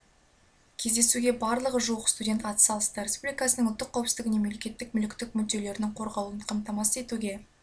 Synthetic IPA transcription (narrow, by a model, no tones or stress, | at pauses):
kʲʰe̞zd̪e̞suɡʲe̞bɑɾlˠəʁəʒuəqst̪udʲe̞nt̪ɑt̪ə̥sɑlˠəst̪əɾʲespublijkɑsənəŋʊlt̪ːəqʰːɑwpsɪkɪnemele̞kʲe̞t̪ːɪk̚mʏlɪkʲt̪ɪk̚mʏd̪e̞le̞ɾɪnɪŋqʰo̞ɾʁɑlˠuənqʰɑmt̪ɑmɑsəe̞t̪uɡʲe̞